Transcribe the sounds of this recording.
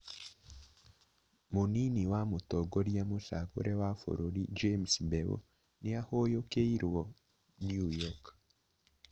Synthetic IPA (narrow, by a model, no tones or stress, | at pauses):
moniniwamotɔɡoɾjamoʃako̰ɾʔɛwafo̰ɾoɾid͡ʒemsbɛwo̰ | neahojokeiɾwɔ | njujɔk